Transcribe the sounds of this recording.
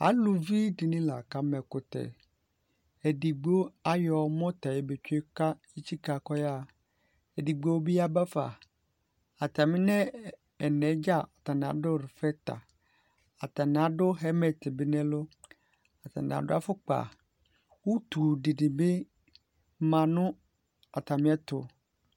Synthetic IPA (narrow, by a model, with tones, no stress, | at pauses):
a̰˨˦lu˨vi˦di˨nĩ˦la˨ka˦mɛ˨kʊ˨t̪ɛ̰˨ | e˨di˨ɡ͡bo˦a˦jɔ˨mɔ̃˦t̪a˨je˦be˨t͡ʃe˦ka˦ | i˦t͡ɕi˦ka˨kɔ˦ja˦ | e˨di˨ɡ͡bo˦wo˦bi˦a˦ba˦fa̰˨ | a˨t̪a˨mĩ˦nɛ̃˦ | ɛ˨nɛ̃˨˦d͡ʒa˦˨ɔ˨ta˨ñ˨a̰˨dʊ˦˨ɾɪ˨fɛ˦ta̰˨ | a˨ta˨nɪ̃˨a˨˦dʊ˦ɦɛ˦mɛ˨tɪ˨bɪ˦nɛ̃˦lʊ˦ | a˨ta̰˨nɪ̰̃˨a̰˨dʊ˦a˦fʊ˦k͡pa̰˨ | wu˦tu˨di˨dɪ˨bɪ˦ | mã˨nʊ̃˦ | a˨ta˨mɪ̃˦ɛ˦tʊ˨